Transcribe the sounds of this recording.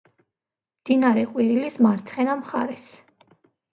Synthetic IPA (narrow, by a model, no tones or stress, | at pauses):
md̪̥inaɾɛqʼwiɾilismaɾt̪sʰχɛnamχa̰ɾɛs